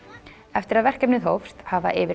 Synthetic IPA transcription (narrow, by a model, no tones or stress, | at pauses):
ɛft̪ɪɾaðvɛr̥kɛpnɪðɦowfst̪hava̰ʔɪːvɪ